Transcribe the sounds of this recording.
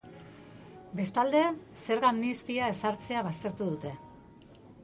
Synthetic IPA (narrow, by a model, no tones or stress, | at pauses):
be̞st̪ald̪e̞se̞ɾɣamnist̪iae̞saɾt͡se̞aβast̪e̞ɾt̪uðut̪e̞